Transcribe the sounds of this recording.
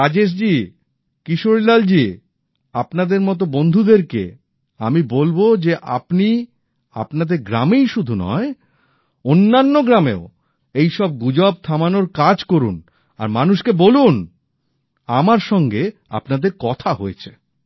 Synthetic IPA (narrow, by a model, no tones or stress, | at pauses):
ad͡ʑeʃ̬d͡ʑi | kiʃoɾilald͡ʑi | apnad̪eɾmɔt̪̬obond̪ʱud̪eɾkḛ | amibolbod͡ʑeʔa̰pni | a̰pnad̪eɾɡɾamejʃud̪ʱunɔ̰e | onːanːoɡɾamḛo | ejʃɔb̚ɡud͡ʑɔb̚t̪ʰamanoɾkad͡ʑkoɾṵn | a̰ɾmanuʃkebolun | amaɾʃɔŋɡea̰pnad̪eɾkɔt̪ʰaɦoet͡ɕʰe̥